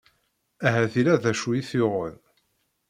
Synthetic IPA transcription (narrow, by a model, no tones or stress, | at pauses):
æɦæθiɾæðæʃujiθiʁəð